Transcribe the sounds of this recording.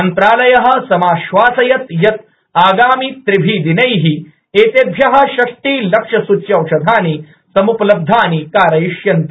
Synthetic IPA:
ɐnt̪ɾaːlɐjɐɦɐ̆sɐmaːʃʋaːsɐjɐt̪jɐt̪̚ | aːɡaːmiːt̪ɾibʱiːd̪inɐjɦi | eːt̪eb̪ʱjɐɦɐ̆ʃɐkʈ̪iːlɐkʂɐsut͡ʃːjɐwʂɐd̪ʱaːni | sɐmuplɐb̚d̪ʱːaːnikaːɾɐjiʂjɐnt̪i

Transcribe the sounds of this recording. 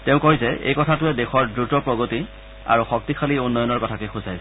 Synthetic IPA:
teʊ̃koɦizɛḛjkɔtʰatʊɛdexɔɹdɹutɔpɹɔɡoti | a̰ɹuxɔk̚tixʰaliunːɔjɔnɔɹkɔtʰakɛxuzajs

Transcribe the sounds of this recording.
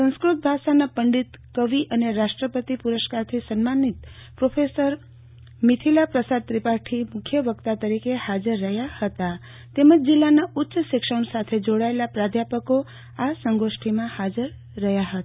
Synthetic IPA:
sə̃skɾut̪̚bʱaʃanapəɳɖit̪kəʋiʔəneɾaʃʈɾəpət̪ipuɾəʃkaɾt̪ʰisənmanit̪ | pɾofʰesəɾ | mit̪ʰilapɾəsad̪̚t̪ɾipaʈʰimʊkʰjəʋəkt̪at̪əɾikehad͡ʒəɾːəɦjahət̪a | t̪eməd͡ʒd͡ʒilːanaʊt̪ːʃəʃɪkʃəɳsat̪ʰed͡ʒoɽaelapɾad̪ʱjapəko | asəŋɡoʃʈʰimãhad͡ʒəɾː | əɦjaɦət̪a

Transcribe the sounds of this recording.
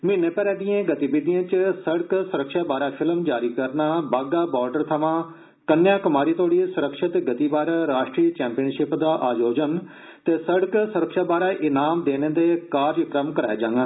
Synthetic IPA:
mɪnːẽːpɛːɾɛːd̪ijãːɡət̪iːbɪd̪ijãːt͡ʃsəɽksʊɾəkʃaːbaːɾaːpʰɪlmd͡ʒaːɾiːkəɾnaːbaːɡaːbɔːɾɖəɾt̪ʰəʋãː | kənjaːkəmaːɾiːt̪oːɽiːsʊɾəkʃɪt̪ɡət̪iːbaːɾaɾaːʃʈɾiːt͡ʃɛ̃ːmpiənʃɪpd̪aːʔaːd͡ʒoːd͡ʒən | t̪eːsəɽəksʊɾəkʃaːbaːɾaːʔɪnaːmd̪eːnẽːd̪eːkaːɾd͡ʒkɾəmkəɾa̰ːeːd͡ʒãːŋɡaː

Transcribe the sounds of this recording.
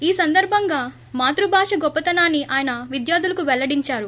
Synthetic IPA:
iːsɐnd̪ɐɾbʱɐŋɡaː | maːt̪ɾubʱaːʂɐɡɔpːɐt̪ɐnaːnːiaːjɐnɐʋid̪jaːd̪ulɐkuʋɛlːɐɽiɲt͡ʃaːɾu

